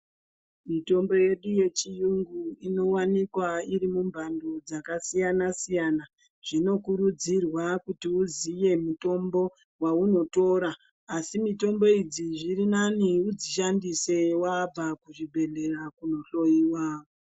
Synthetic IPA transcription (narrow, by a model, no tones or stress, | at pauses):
mito̞mbo̞je̞ɗuje̞t͡ʃijuŋɡuino̞wanikwaiɾimumbʱando̞d͡zakasijanasijana | ʐ̥ino̞kuɾud͡zirwakutiuzije̞muto̞mbo̞ | wauno̞to̞ːɾaː | simito̞mbo̞id͡ziʐiɾinaniud͡ziʃandise̞wab͡vakuʐibʱe̞ɮe̞rakuno̞ɬo̞jiːwa